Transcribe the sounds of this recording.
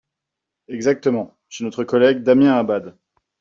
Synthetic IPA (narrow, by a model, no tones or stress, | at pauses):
ɛɡzak̚t̪əmɑ̃ | ʃenɔt̪χəkɔlɛɡ̚d̪amjɛ̃abad̪